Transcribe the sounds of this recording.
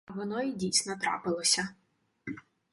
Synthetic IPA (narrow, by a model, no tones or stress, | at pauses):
ʋɔnɔjidʲijsʲnɔt̪ɾɑ̰pɪlˠɔsʲɐ